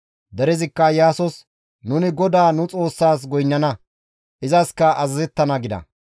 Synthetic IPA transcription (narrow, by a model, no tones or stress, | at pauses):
d̪ɛɾɛzɪkːɐjaːsɔs | nʊnɪɡɔd̪aːnʊt͡sʼo̞ːsːaːs̬ɡɔjnːɐnɐ | ʔɪzɐskɐʔɐzɐzɛt̪ːɐnɐɡɪd̪ɐ̰